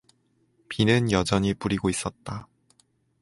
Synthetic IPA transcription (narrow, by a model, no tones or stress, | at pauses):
pinɯnjʌd͡ʑʌɲip͈uɾiɡois͈ʌt̚t͈a